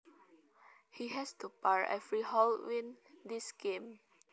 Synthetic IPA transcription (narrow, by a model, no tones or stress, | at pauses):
hiɦɛstupaɹɛ̰fɹihɔlwĩndisɡẽm